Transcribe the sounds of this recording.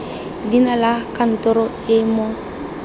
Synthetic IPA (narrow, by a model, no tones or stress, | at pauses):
dinalakan̩tɔɾɔ | ɪmʊ